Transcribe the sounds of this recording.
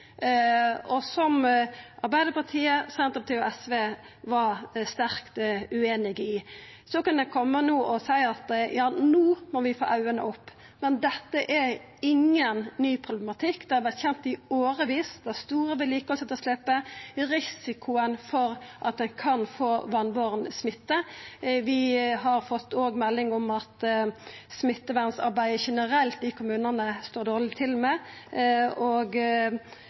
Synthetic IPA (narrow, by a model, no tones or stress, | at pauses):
ɔsɔmʔɑɾbæɪd̪əɾpɑt̪ʰiːəsɛnt̪ɾəpɑt̪ʰɪɔɛsʋeː | ʋɑɾst̪æɾkt̪ʉeːnɪɡɪ | sɔkɑnd̪ɛkʰɔmːənuːʔɔsæɪɑt̪jɑːnuːmɔʋɪfo̰ːʔɑʉənə̰ɔpː | mɛnd̪ɛt̪ːəʔæ | ɪŋːənːyːpʰʁʊblɛmɑt̪ʰɪkːd̪ɛhɑɾʋæɾt̪çɛnt̪ɪoːɾəʋiːsd̪ɛst̪uːɾəʋɪliːkəɔsɛt̪ɔslɪpːəɾɪsɪkʰʊənfɔɾʔɑt̪̚d̪ɛnkʰɑnfoːʋɑnʋoːʁənəsmɪt̪ːəʋɪɦɑɾfɔt̪ːoːɡmɛlːɪŋɔmɑt̪ | smɪt̪ːəʋænsɑ̰ɾbæɪəʃɛnəɾɛlt̪̚d̪ikʰʊmʉːnənəst̪oːɾd̪oːʁɭɪt̪ʰɪlmɛ | oːɡ